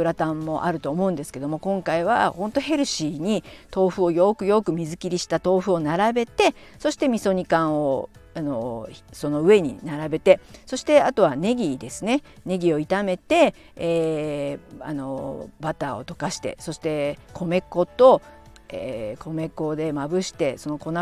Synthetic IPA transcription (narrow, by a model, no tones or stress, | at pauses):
ɯ̟ɾat̪ãmːo̞ʔaɾɯ̟t̪o̞ːmo̞ɯ̟̃nd̪e̞sɨ̥ke̞d̪o̞mo̞kõ̞ŋkaiβ̞ahõ̞nt̪o̞he̞ɾɯ̟ɕiːɲ̟it̪o̞ːɸɯ̟o̞jo̞kɯ̟jo̞kɯ̟mʲizɨkʲiɾʲiɕi̥t̪at̪o̞ːɸɯ̟o̞naɾabe̞t̪e̞so̞ɕi̥t̪e̞mʲiso̞ɲ̟ikãɰ̃o̞ano̞so̞no̞ɯ̟e̞ɲ̟ḭnaɾabe̞t̪e̞so̞ɕi̥t̪e̞at̪o̞β̞ane̞ɡʲid̪e̞sɨne̞ne̞ɡʲio̞it̪ame̞t̪e̞ː | a̰no̞̰bat̪ao̞̰t̪o̞kaɕi̥t̪e̞̰so̞ɕi̥t̪e̞kʰo̞me̞ko̞t̪o̞ | ḛkʰo̞me̞ko̞d̪e̞mabɯ̟ɕi̥t̪e̞so̞no̞ko̞na